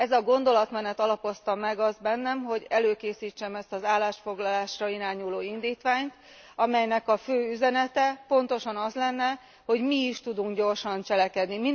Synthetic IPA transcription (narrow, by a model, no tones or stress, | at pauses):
ɛzɒɡo̞nd̪o̞lɒt̪mɛnɛt̪ɒlɒpo̞st̪ɒmɛɡɒzbɛnːɛmɦo̞ɟɛløːkeːsiːt͡ʃːɛmɛst̪ɒzaːlːaːʃfo̞ɡlɒlaːʃrɒiɾaːɲuloːind̪iːt̪ʋaːɲt̪ | ɒmɛjnɛkɒføːyzɛnɛt̪ɛpo̞nt̪o̞ʃɒnɒzlɛnːɛ | ho̞ɟmiːʃt̪ud̪uŋkɟo̞rʃɒnt͡ʃɛlɛkɛd̪nimi